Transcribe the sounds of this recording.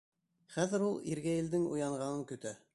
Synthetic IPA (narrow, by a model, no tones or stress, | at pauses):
χæðɘ̆ɾulˠiɾɡæĭld̪ɘŋṵjɑɴʁɑnɤŋkɵ̆t̪æ